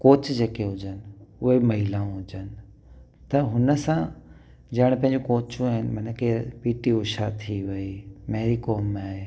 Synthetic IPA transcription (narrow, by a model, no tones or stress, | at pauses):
koːt͡ɕd͡ʑeːkeɦʊd͡ʑənɪ̆ʊɦemɐɦilaũɦʊd͡ʑənɪ̆ | t̪ɐɦʊnəsã | d͡ʑɐɪɽ̃pɐ̃ɦɪ̃ɲd͡ʑokoːt͡ɕuaːɦɪnɪmɐnkʰepiːʈiʊʃat̪ʰiʋɐimeɦɾikoːmːẽaːɦeː